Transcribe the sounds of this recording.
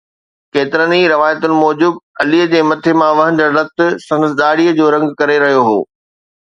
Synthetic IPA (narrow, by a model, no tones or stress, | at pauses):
keːt̪ɪɾəniɾɐʋaːjət̪ʊnɪ̆mɔːd͡ʑʊbɐliːəd͡ʑeːmɐt̪ʰemãʋɐɦə̃n̆d͡ʑəɾɾɐt̪ʊ̆sɐ̃nsɗ̪aːɽiːəd͡ʑoːɾɐ̃ŋɡkɐɾeɾɐɦijoɦo̰ː